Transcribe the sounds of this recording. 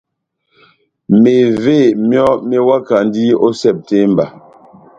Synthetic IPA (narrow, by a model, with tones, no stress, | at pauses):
me˨ve˦˨mjɔ˦me˦wa˦ka˨n˦di˦o˦sɛ˦˨p̚te˦mba˨